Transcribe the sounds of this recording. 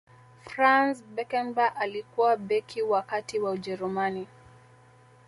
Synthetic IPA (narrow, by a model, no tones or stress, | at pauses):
fɾansbɛkɛmbaʔalikuwaɓɛkʰiwakatiwaud͡ʒɛɾumani